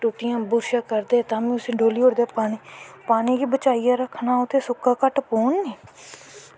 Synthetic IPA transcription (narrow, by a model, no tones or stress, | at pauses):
ʈoːʈɪjãːbʊɾʃaːkəɾd̪eːɛːt̪ãːmĩːʊsẽːɖʱoːliːɦoːɾd̪eɛːpaːniːpaːniːkiːbət͡ʃaːijaːɾəkʰnaːʊt̪ʰeːsʊkːaːkəʈpoːnːeː